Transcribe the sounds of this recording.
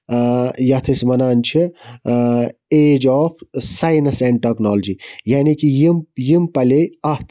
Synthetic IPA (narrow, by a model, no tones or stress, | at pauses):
jɐt̪ʰɐsmɐnaːnt͡ʃʰi | eːd͡ʒɔːpʰsajnɐsɛ̃ɳɖʈeknoːld͡ʒijaːnikijimjimpɐlʲeɐht̪ʰ